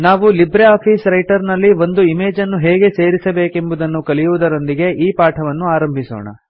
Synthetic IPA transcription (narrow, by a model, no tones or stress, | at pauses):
naːʋulibɾeaːpʰiːsɾɐjʈɐɾnɐlːiʋo̞nd̪uimeːd͡ʒɐnːuɦeːɡe̞se̞ːɾisɐbe̞ːke̞mbud̪ɐnːukɐlijuʋud̪ɐɾo̞nd̪iɡe̞ʔiːpaːʈʰɐʋɐnːuaːɾɐmbʱiso̰ːɳɐ̰